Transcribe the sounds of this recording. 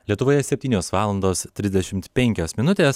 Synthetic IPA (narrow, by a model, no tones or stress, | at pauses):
lʲiɛt̪ʊʋoːjɛsʲɛpʲt̪ʲiːnʲoːsʋɑːlˠɐnd̪oːst̪ʲɾʲɪzʲd̪ʲɛʃʲɪmt̪pʲɛŋʲkʲoːsmʲɪnʊt̪ʲeːs